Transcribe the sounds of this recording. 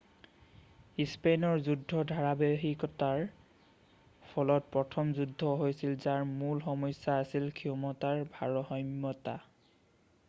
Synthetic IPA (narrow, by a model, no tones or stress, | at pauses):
ispenɔɹzudʱːɔdʱaɹabeɦikɔtaɹ | pʰɔlɔt̚pɹɔtʰɔmzudʱːɔɦojsilzaɹmulxɔmɔjsːaːsilkʰiɔmɔtaɹbʱaɹɔxɔjmːɔta̰